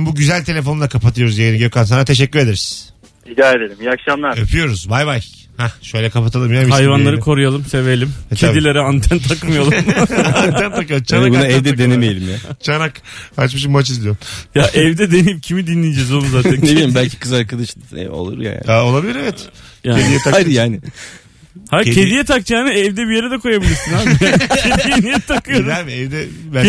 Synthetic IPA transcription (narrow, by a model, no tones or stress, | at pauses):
buɟyzælʲt̪ʰe̞lʲefo̞nd̪akʰapat̪ʰɯjo̞ɾuzjeiniɟøkans̬anat̪ʰe̞ʃ̬ɛcːyɾe̞d̪eɾiz̥ | id̪ʲaːed̪elʲimjakʃamlˠaɾøpʰyjo̞ɾuzbajbaj | hɛʃø̞jlʲɛkʰapat̪ʰalˠɯmjaihajvanlˠaɾkʰo̞ɾujalˠɯmsevelʲimtʰeab̪ilʲeɾɛant̪ʰænt̪ʰakmijalˠumant̪ʰænt̪akɯlˠt͡ʃʰaaɡuaɛvd̪ɛd̪e̞nemejelʲimjat͡ʃʰanakat͡ʃmɯʃ̬ɯmːat͡ʃizd̪ʲijoɾjaʔɛvd̪ɛd̪eniipcʰimid̪inːʲijd͡ʒɛzolˠumzaːt̪ʰænneilʲimbælʲcʰi̥kʰɯzaɾkad̪aʃlˠɯɛ̰o̞̰lˠṵɾja̰ja̰aolˠabilʲiɾevɛjaːed̪ijɛt̪ʰaajd̪ijaːnɪ | hae̞d̪ijɛt̪ʰak̚t͡ʃaːnɯɛvd̪ɛbije̞ɾɛd̪ɛkʰo̞jabilʲiɾsɯnaːbicʰed̪ijɛnijɛt̪ʰakʰɯjoɾamɛvd̪ɛ